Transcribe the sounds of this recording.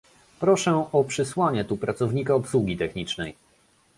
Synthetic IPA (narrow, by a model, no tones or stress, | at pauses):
pɾɔʂɛɔpʂɘswaɲɛt̪upɾat̪sɔvɲikaɔpswuɡʲit̪ɛxɲit͡ʂnɛj